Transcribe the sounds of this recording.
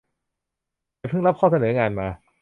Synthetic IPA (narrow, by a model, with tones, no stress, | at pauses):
jpʰɯ˥˩ŋla˦˥p̚kʰɔː˥˩sʰa˧nɤː˩˦ŋaː˧nmaː˧